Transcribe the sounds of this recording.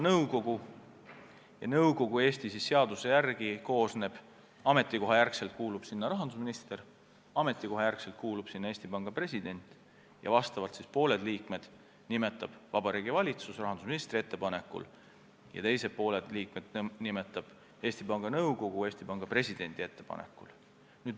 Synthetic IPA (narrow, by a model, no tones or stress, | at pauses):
nɤwɡo̞ɡ̥u | jɑnɤwɡo̞ɡ̥ue̞ːst̪isisːe̞ɑd̪̥use̞jærɡ̥iko̞ːsne̞b̥ | ɑme̞t̪ˑːiko̞ɦɑjærkselt̪̚kuːlub̥sinːɑɾɑɦɑnd̪usminist̪e̞r | ɑme̞t̪ˑːiko̞ɦɑjærkselt̪̚kuːlub̥sinːɑeːsʲt̪ipɑŋɡ̥ɑpre̞sʲid̪̥e̞nʲt̪ˑ | jɑ̰vɑst̪ɑvɑlt̪sispo̞ːle̞d̪liːkme̞d̪̥ | nime̞t̪ːˑɑb̥vɑb̥ɑɾiːɡivɑlʲit̪susrɑɦɑnd̪usminist̪rie̞t̪ːe̞pɑne̞kːˑṵl | jɑ̰t̪e̞jse̞t̚po̞ːled̪̥liːk̚me̞d̪̥nime̞t̪ːˑɑb̥ | e̞ːsʲt̪ipɑŋɡ̥ɑnɤwɡo̞ɡ̥ueːsʲt̪ipɑŋɡ̥ɑpre̞sʲid̪̥e̞nʲd̪̥ie̞t̪ːe̞pɑ̰nḛkːˑul | nyːd̪